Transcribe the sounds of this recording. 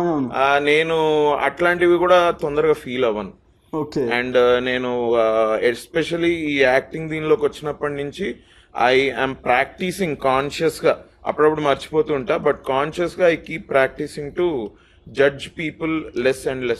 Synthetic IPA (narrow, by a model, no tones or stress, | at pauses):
anne̞ːnuɐ̰ʈlaːɳʈiʋikuːɽaːt̪ond̪ɐɾɐɡaːfʰiːlɐʋɐnu | oːkeɐɳɖne̞ːnu | espeʃɐliiːaːk̚ʈiŋɡd̪iːniloːkʋɐt͡ʃːinɐpːɐʈnuɲt͡ʃi | ɐ̰jɐ̰ːmpɾaːk̚ʈisĩŋɡkaːnʃɐsɡaː | ɐ̰pːuɽɐpːuɽumɐɾt͡ʃi̥po̞ːt̪uːɳʈaːbɐʈkaːnʃɐsɡaːjkiːpːɾaːk̚ʈisiŋɡʈu | d͡ʒɐd͡ʒpiːpullesɐɳɖles